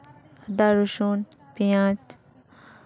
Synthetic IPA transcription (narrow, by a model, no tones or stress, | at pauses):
d̪aɾuʃuːn | pijãːt͡ʃ